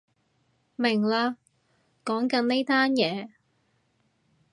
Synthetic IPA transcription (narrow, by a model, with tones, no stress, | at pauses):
mɪ˨˩ŋlaː˧ | kɔː˨˥ŋkɐ˨˥nne˥jt̪aː˥njɛː˨˥